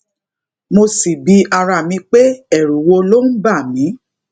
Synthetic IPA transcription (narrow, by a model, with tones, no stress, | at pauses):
mo˧si˨bi˧˦a˧ɾa˧˨mĩ˧k͡pe˦ɛ˦˨ɾu˨wo˧lo˦n̩˦ba˦˨mĩ˨˦